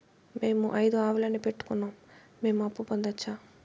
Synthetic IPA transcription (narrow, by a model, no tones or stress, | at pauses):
me̞ːmuʔɐjd̪uaːʋulɐnipe̞ʈːu̥kunːaːmː | e̞ːmuɐpːupɐnd̪ɐt͡ʃːaː